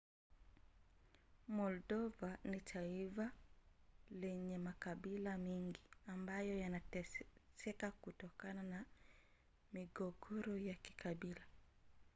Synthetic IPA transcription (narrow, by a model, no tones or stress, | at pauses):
mɔldɔvanitʰaiva | lɛɲɛmakaɓilamiŋɡiambajɔjanatsɛkakutɔkanana | miɡɔɡɔɾɔjaki̥kaɓila